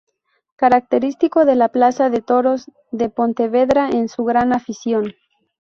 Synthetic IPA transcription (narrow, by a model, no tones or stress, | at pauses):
kaɾak̚t̪e̞ɾist̪iko̞ðe̞laplasaðe̞t̪o̞ɾo̞z | ðe̞po̞nt̪e̞βe̞ðɾaensuɣɾanafisjo̞n